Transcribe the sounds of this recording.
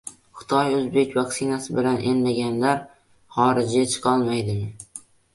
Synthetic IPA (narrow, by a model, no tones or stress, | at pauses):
χɨ̥t̪ʰɒjɵzbe̞kʲvakʲsɪnasɪbɪlanʔe̞nmaɡʲanlaɾ | χɒɾɪd͡ʒɪet͡ʃʰɪ̥qʰɒlˠmajd̪ɪm